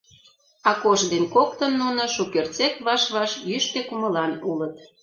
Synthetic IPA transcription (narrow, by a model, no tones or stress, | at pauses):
ɑkoʃd̪enkok̚t̪ə̆nːunŏʃukert͡set̪βɑʃβɑʃjyʃt̪ekuməlɑnulət̪̚